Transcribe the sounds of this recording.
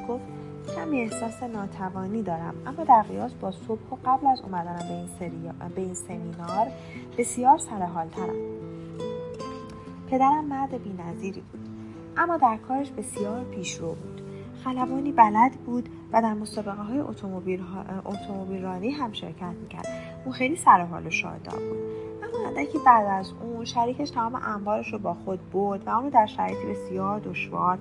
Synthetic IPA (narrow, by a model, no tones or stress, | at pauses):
ɡ̥oft̪ | hæmiehsɒːsenɒːt̪ʰævɒːniːd̪ɒːɾæ̰mʔæ̰mːɒːd̪æɾɣijɒːsbɒːsob̥hoɢæblæzṵmæd̪ænæmbeinbeiːnsemiːnɒːɾ | b̥e̞sijɒːɾsæɾeɦɒːlt̪ʰæɾæ̰m | pʰe̞d̪æɾæmːæɾd̪ebiːnæziːɾḭːbud̪̥ | ʔæmːɒːd̪æɾkʰɒːɾeʃbe̞sijɒːɾpʰiːʃɾobuːd̪̥ | xælævɒːniːbælæd̪buːd̪̥ | væd̪æɾmosɒːbe̞ɣeɦɒːjeʔot̪ʰoobiʔo̰t̪ʰomobiːlrɒːniɦæmʃe̞̰ɾcʰæt̪ʰmiːcʰæ̰ɾd̪̥ | ʔũnxejliːsæɾeɦɒ̰ːloʃɒ̰ːd̪ɒ̰ɾbṵːd̪ʔæmːɔːhænd̪æcʰibæd̪æzuːnʃæɾiːcʰeʃt̪ʰæmɒːme̞̰ʔæmvɒːɾeʃobɒːxod̪̚boɾd̪væũnɾod̪æɾʃæɾɒjet̪ʰibe̞sijɒːɾd̪o̞ʃvɒ̰ːɾ